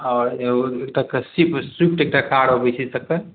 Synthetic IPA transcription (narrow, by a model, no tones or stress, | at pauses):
ɔɾekʈakesipsip̚ʈek̚ʈakaɽobesʰisəkə